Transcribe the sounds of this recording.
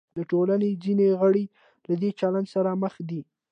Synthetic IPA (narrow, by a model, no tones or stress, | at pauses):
d̪əʈolaned͡zineɣəɽe | lad̪et͡ʃalandsaɾaməxd̪i